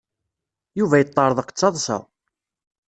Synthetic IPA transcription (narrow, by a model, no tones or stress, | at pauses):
juvæjət̪ˤːɑɾˤəðˤəqːt͡sːɑðˤsɑ̰